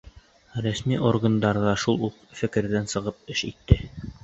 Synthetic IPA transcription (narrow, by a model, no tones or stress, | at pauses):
ɾæsmiʔorɡand̪ɑɾðɑʃulˠuqfɘ̆kɘ̆ɾðænsɤ̆ʁɤp̚ɘʃit̪ːɘ